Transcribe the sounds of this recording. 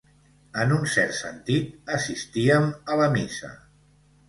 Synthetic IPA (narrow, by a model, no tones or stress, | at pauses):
ənunsɛɾt̪sənt̪it̪̚əsist̪iəmələmisə̰